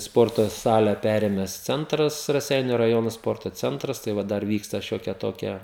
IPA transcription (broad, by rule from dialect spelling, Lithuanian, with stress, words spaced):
ˈspoːrtoː ˈsɑːlʲɛ ˈpʲæːrʲeːmʲɛs ˈt͡sʲɛntrɐs rɐˈsʲɛɪnʲʊ rɐˈjoːnoː ˈspoːrtoː ˈt͡sʲɛntrɐs tɐɪ ˈʋɐ ˈdɐr ˈʋʲiːkstɐ ˈʃʲoːkʲiɛ ˈtoːkʲiɛ